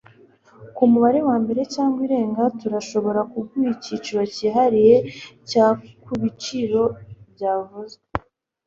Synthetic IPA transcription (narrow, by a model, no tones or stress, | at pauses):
kumuβaɾe̞waːmbe̞ɾe̞caːŋɡwiɾe̞ːŋɡatuɾaʃo̞βo̞ɾakuɡujicit͡ʃiɾwaciɦaɾije̞caːkuβit͡ʃiɾo̞bjaːvuze